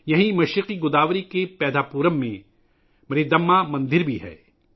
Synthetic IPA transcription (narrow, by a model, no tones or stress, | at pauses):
jɐɦĩmɐʃɾɪqiɡʊd̪aːʋɾikepɛːd̪aːpuːɾəmːẽ | mɐɾid̪ɐmːamɐ̃nd̪ɪɾbʱiɦɛ̰ː